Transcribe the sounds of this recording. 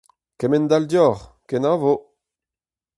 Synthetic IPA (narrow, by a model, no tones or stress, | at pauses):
kɛmɛnd̪aldjɔʁ | kenavo